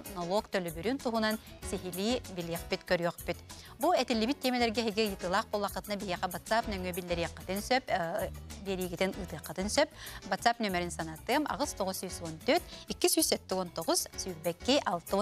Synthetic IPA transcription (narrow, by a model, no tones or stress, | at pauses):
nɔlˠɔkt̪œlʲybyɾynt̪uɦunansiɦiliːbilʲiɛqpit̪kœɾyœqpyt̪ | buɛt̪ilʲːibit̪ʲːɛmɛlɛɾɡɛɦɛɡijɯt̪ɯlˠaqbolˠaqːɯt̪ɯnabiɦiɛqɛvat̪sapnœŋœbilʲːɛɾiɛqːɯt̪ɯnsœp | bɛɾiːɡit̪inɯːt̪ɯqːɯt̪ɯnsœp̚vat̪sapnœmɛɾinsanat̪ɯɐma̰ʁɯst̪ɔʁusyjsɔnt̪øt̪ikːisyjsɛt̪ːiɔnt̪ɔʁuzsyjɾbɛkːiʔalˠt̪ɯ